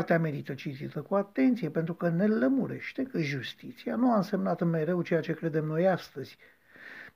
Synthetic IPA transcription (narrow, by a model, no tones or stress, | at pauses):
rt̪eame̞ɾit̪ət͡ʃit̪it̪əkuat̪e̞nt̪sijepe̞nt̪ɾukəne̞ləmuɾe̞̰ʃt̪e̞kɨʒust̪it̪sianuaɨnse̞mnat̪ɨnme̞ɾe̞wt͡ʃe̞jat͡ʃe̞kɾe̞d̪e̞mno̞jast̪əz̥ʲ